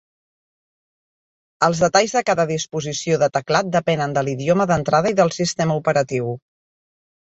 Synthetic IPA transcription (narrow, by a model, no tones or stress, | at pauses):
əlˠzðət̪aʎzðəkaðəðispuzisioðət̪əklat̪̚d̪əpɛnənd̪əliðioməðənt̪ɾaðəiðəlˠsist̪eməupəɾət̪iw